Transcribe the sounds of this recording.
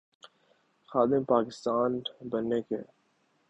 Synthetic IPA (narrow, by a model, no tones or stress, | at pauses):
xaːd̪ɪmpaːkɪst̪aːnbənːekḛː